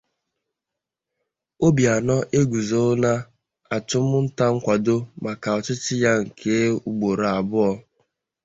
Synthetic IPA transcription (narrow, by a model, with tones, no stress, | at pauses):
o˦bi˨a˨nɔ˦ʔe˦ɡu˨zo˦na˦ | a˨tʊ˦mʊ˦n̩˦ta˦ŋ̩˦kʷa˨do˦ma˨ka˨ɔ˨t͡ʃɪ˦t͡ʃɪ˦ja˦ŋ̩˨kʰe˦u˦ɡ͡bo˨ɾa˨a˨bʊ˦ɔ˦